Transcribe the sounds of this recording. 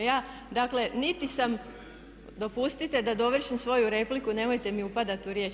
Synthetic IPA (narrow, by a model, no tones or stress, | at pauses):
jaːd̪akle̞nit̪isam | d̪o̞pust̪it̪e̞d̪ad̪o̞ʋr̩ʃimsʋo̞juɾe̞plikune̞mo̞jt̪e̞miupad̪at̪uɾje̞ːt͡ʃ